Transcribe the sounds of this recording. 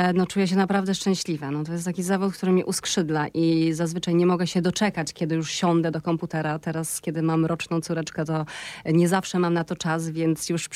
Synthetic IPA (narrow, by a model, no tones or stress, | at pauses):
nɔt͡ʂujɛɕ̬ɛnapɾavd̪ɛʂt͡ʂɛ̃w̃ɕlʲivɛnɔt̪̬ɔjɛst̪akʲizavut̪̚k̚t̪uɾɘmʲiʔuskʂɘd̪laʔizazvɘt͡ʂajɲɛmɔɡɛɕɛd̪ɔt͡ʂɛkat͡ɕkʲjɛd̪ɘjuʂɕɔnd̪ɛd̪ɔkɔmput̪ɛɾat̪ɛɾaskʲɛd̪ɘmamɾɔt͡ʂnɔ̃w̃t̪suɾɛt͡ʂkɛt̪ɔɲɛzafʂɛmamnat̪ɔt͡ʂas̬vʲjɛnt̪sjuʂ